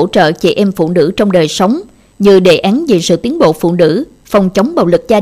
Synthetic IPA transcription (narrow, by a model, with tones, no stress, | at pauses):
t͡ɕə̰ː˧˨t͡ɕḭ˧˩ʔɛ˧mfṵ˧˨nɨ̰˧˥t͡ɕɔ˧wŋ͡mɗəː˨˩jsə˨˦wŋ͡m | ɲɨ˧ɗe˧˩ʔaː˨˦nve˨˩sɨ̰˧˨t̪i˨˦ənɓo̰˧˨fṵ˧˨nɨ̰˧˥ | fə˨˩wŋ͡mt͡ɕə˨˦wŋ͡mɓa̰˧˨wlɨ˨˩k̚zaː˧